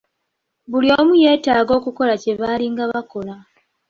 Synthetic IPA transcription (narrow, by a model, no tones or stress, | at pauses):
βulio̞ːmuje̞ːtaːɡo̞ːkuko̞lace̞βaliŋɡaβako̞la